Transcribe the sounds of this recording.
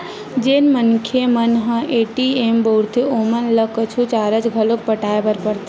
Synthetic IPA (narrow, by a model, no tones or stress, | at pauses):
d͡ʒenmənkʰemənɦə̃ʔeʈiembowɾt̪ʰiomənləkət͡ʃʰut͡ʃaɾət͡ʃɡʱəlok̚pəʈaebəɾpəɾt̪ʰ